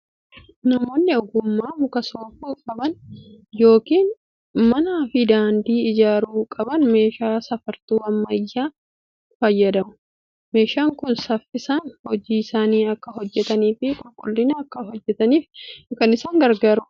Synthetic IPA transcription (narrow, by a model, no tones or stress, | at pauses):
nɐmo̞ːnːɪɔɡʊmːaːmʊkɐsoːfuːkʼɐbɐnjo̞ːkiːn | mɐnaːfɪd̪aːnd̪iːɪd͡ʒaːɾuːkʼɐbɐnme̞ːʃaːsɐfɐɾt̪uːɐmːɐjːaː | fɐjːɐd̪ɐmʊ̥ | me̞ːʃaːŋkʊnsɐfːɪsɐnhɔd͡ʒiːɪsaːniːɐkːɐɦɔd͡ʒːɛt̪ɐniːfɪkʼʊlkʼʊlːɪnɐːkːɐɦɔd͡ʒːɛt̪ɐniːfkɐnɪsaːŋɡɐɾɡaːɾʊ